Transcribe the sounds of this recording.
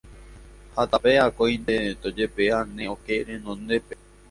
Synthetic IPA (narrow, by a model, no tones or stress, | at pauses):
hat̪apeakojnd̪et̪od͡ʒepeanẽokeɾẽnõnd̪epe